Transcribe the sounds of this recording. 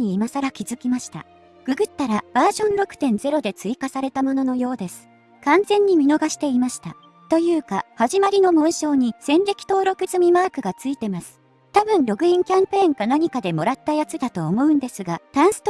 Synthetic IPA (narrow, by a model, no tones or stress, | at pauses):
ɲiːmasaɾakʲizɨkʲimaɕi̥t̪a̰ | ɡ̥ɯ̟ɡɯ̟t̪ːaɾab̥aːʑõ̞nɾo̞kɯ̟̥t̪ẽ̞nd͡ze̞ɾo̞d̪e̞t͡sɨikasaɾe̞t̪amo̞no̞no̞jo̞ːd̪e̞sɨ̥ | kãnd͡zẽ̞ɲ̟ːimʲino̞ɡaɕi̥t̪e̞imaɕi̥t̪a | t̪o̞jɯ̟ːkahaʑimaɾʲino̞mõɰ̃ɕo̞ːɲ̟isẽ̞nɾʲe̞kʲi̥t̪o̞ːɾo̞kɯ̟zɨmʲimaːkɯ̟ɡat͡sɨit̪e̞masɨ̥ | t̪abɯ̟̃nɾo̞ɡɯ̟ĩŋkʲãmpẽ̞ːŋɡanaɲ̟ikad̪e̞mo̞ɾat̪ːajat͡sɨd̪at̪o̞ːmo̞ɯ̟̃nd̪e̞sɨɡat̪ãɰ̃sɨ̥t̪